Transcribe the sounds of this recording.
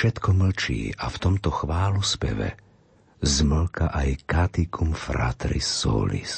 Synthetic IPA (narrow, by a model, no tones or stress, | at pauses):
ʃɛt̪kɔml̩t͡ʃḭːʔaft̪ɔmt̪ɔxʋaːluspɛ̰ʋɛ̰ | zml̩kaʔajkat̪ikʰumfɾa̰t̪ɾḭsːɔ̰ːlḭs